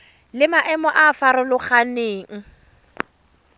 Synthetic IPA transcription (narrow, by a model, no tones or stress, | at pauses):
lɪmaʔɛmɔʔafaɾʊlʊχaneːŋ̩